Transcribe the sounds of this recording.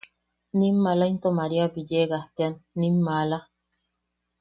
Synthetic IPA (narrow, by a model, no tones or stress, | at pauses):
nimːalaint̪omaɾiabijeɡaht̪eanːimːala